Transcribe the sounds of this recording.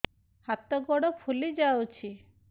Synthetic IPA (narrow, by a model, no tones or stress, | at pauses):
hat̪ɔɡɔɽɔpʰulid͡ʒawt͡ʃʰi